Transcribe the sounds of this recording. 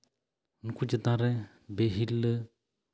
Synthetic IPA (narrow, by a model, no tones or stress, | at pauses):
nkud͡ʒət̪ãɾɛ | beɦilːə